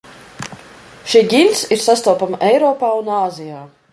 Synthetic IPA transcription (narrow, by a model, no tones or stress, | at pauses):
ʃiɡʲinʲsiɾsast̪ɔwpamʔɛjɾɔːpaːunaːzijaː